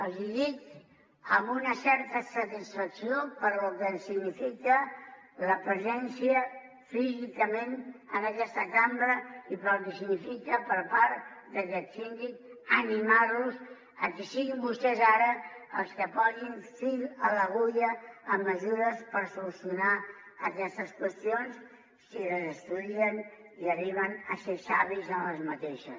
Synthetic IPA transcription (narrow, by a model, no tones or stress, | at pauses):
əlˠziʎik | əmbunəsɛɾt̪əsət̪isfəksiopəɾlukənsiɣnifikələpɾəzɛnsiə | fizikəmẽnənəkɛst̪əkambɾəipɾəlkəsiɡnifikəpəɾpaɾd̪əkɛt̪sind̪ikənimaɾluz | əkisiɣimbust̪ɛzaɾəəlˠskəpɔɣinsiɾələɣuʎəːmːəzuɾəspəɾsulusjunaəkɛst̪əskwəst̪ions | siləzəst̪uðiən | iəriβ̞ənəsesaβizənləzmət̪eʃəs